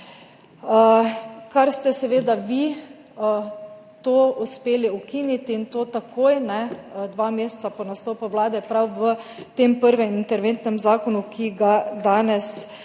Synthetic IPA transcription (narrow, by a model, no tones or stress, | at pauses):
kaɾst̪ɛsɛʋeːd̪aʋi | t̪oːuspeːliukinit̪iːnt̪oːt̪akʰoːjnɛd̪ʋaːmeːst̪sapɔnast̪oːpɔʋlaːd̪ɛpɾawʋət̪eːmpəɾʋɛmint̪ɛɾʋent̪nɛmzaːkɔnukʰiɡad̪aːnɛs